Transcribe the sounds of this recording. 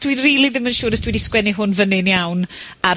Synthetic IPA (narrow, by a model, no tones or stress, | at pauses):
d̥winriːlˠiðɪmənʃuːɾəsd̥wɛdiskwɛniɦʊnvənɨnjawn | a